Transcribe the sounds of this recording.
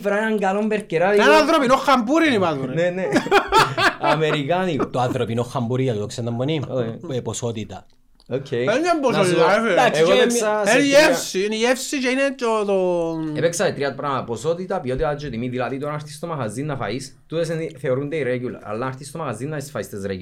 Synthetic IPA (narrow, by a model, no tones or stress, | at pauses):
vɾaenɐŋɡalombeɾceɾaðenanðɾopinoxambuɾinipazuninene | ɐmeɾikanit̪oaθɾopinoxːambuɾiɐt̪ut̪oksend̪ɐmbonioeposot̪it̪ɐ | okʰːejeɲambosnot̪it̪aefeaseɣoeekaeniefsiniefsit͡ʃeinet̪ot̪oepeksaðet̪ɾiat̪̚pɾaposot̪it̪ɐpiot̪ilad͡ʒot̪imiðilaðit̪oɾaaɾθist̪omaxazinːɐfa̰is | t̪ut̪es̬enθeoɾund̪eiɾeɡulɐ̰ɾa̰lːaɾθist̪omaxazːinːɐisfaist̪ezɾeɟ